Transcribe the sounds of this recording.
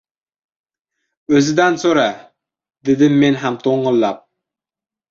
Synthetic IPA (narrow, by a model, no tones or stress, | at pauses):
ɵzɪd̪ansoɾa | d̪ed̪ɪmːenɦamt̪ʰoɴːɨlˠːap̚